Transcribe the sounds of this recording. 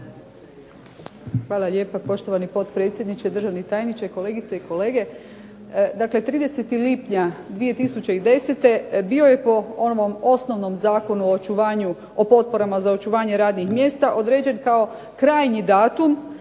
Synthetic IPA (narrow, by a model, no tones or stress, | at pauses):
xʋaːlˠaʎʲe̞ːpapo̞ʃt̪oʋanipo̞t̪pɾe̞t̪sʲje̞d̪nit͡ɕed̪ɾr̩ʒaʋnit̪aːjenit͡ɕaiko̞leːɡit̪seiko̞le̞ːɡe̞ | d̪akle̞t̪ɾiːd̪e̞se̞t̪ilipɲad̪ʋije̞t̪isut͡ɕe̞id̪e̞set̪e̞bio̞je̞po̞o̞noʋo̞mo̞sno̞ʋno̞mzaːko̞nuoot͡ʃuʋaːɲu | opo̞t̪̚po̞ɾamazao̞t͡ʃuʋaːɲe̞ɾaːd̪nixmje̞ːst̪aʔod̪ɾed͡ʑe̞nkao̞ | kɾaːjɲid̪aːt̪um